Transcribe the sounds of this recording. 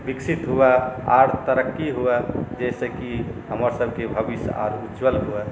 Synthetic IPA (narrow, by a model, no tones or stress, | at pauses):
biksʰit̪ɦuaa̰ɾt̪əɾəkːiɦuɛd͡ʒɛsẽkiɦəməɾsəbʱkebʱəbisa̰ɾud͡ʒwəlɦuɛ